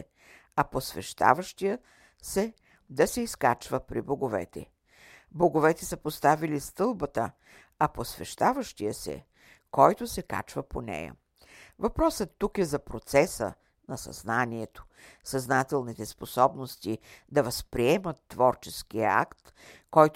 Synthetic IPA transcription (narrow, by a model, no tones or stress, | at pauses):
ɛ | ɐposvɛʃt̪a̰vəʃt̪ijə | sɛ | d̪ɐsɛiskat͡ʃvəpɾḭboɡovɛ̰t̪ɛ̰ | boɡovɛt̪ɛsəpost̪avilist̪ɤlˠbət̪ə | ɐposvɛ̰ʃt̪avəʃt̪ijəsɛ̰ | kɔjt̪osɛka̰t͡ʃvəponɛ̰jə̰ | vɐpɾɔsət̪ːukɛzɐpɾot̪sɛsə̰ | nɐsɐ̰znaniɛt̪o̥ | sɐznat̪ɛlˠnit̪ɛsposɔbnost̪id̪ɐvɐspɾiɛmət̪ːvɔɾt͡ʃɛskijə̰a̰kt̪ | kɔjt̪